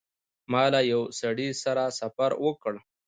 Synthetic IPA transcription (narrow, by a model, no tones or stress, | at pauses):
mɑːlajawsaɽisaɾasafaɾwəkəɽ